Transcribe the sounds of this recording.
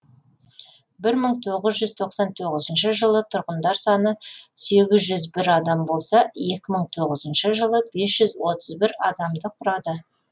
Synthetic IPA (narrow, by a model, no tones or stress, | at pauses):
bɪɾməɴt̪ʰo̞ʁəzʒʏzt̪ʰo̞qsɑnt̪ʰoʁəzənʃəʒəlˠət̪ʰʊɾʁənd̪ɑɾsɑnəse̞ɡʲɪzʒʏzbɪɾɑd̪ɑmbo̞lˠsɑje̞kʲɪməɴt̪ʰo̞ʁəzənʃəʒəlˠəbe̞sʒ̥ʏzwo̞t̪əzbɪɾɑd̪ɑmd̪əqʰʊɾɑd̪ə